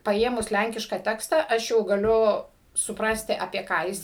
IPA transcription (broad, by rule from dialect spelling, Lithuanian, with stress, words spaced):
pɐˈeːmʊs ˈlʲæŋʲkʲɪʃkɐ ˈtʲæːkstɐ ˈɐʃ jɛʊ ɡɐˈlʲʊ sʊˈprɑːsʲtʲɪ ɐpʲiɛ ˈkɑː jɪs